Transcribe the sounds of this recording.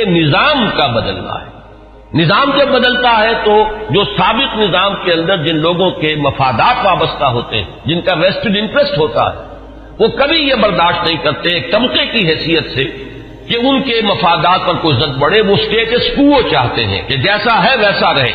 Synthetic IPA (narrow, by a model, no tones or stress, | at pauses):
enɪzaːmkabɐd̪əlna̰ɦɛː | nɪzaːmd͡ʒɐbːɐd̪əlt̪aɦɛt̪od͡ʒoːsaːbɪqnɪzaːmkeɐ̃nd̪əɾd͡ʒɪnloːɡõkemɐfaːd̪aːt̪ʋaːbəst̪aɦoːt̪ḛɦɛ̰̃ːd͡ʒɪnkaʋɛːsʈɪɖɪ̃ɳʈɾesʈɦoːt̪a̰ɦɛ̰ː | ʋokɐbʱijebɐɾd̪aːʃʈnɐ̃ɦĩkɐɾt̪eɦɛːk̚t̪ɐmqekiɦɛːsijət̪se | keʊnkemɐfaːd̪aːt̪̚pɐɾkoːizɐd̪̚bɐɽeʋosʈeːʈeskuːlot͡ʃaːɦt̪ḛɦɛ̰̃ked͡ʒɛːsaɦɛʋɛːsaɾɐɦḛː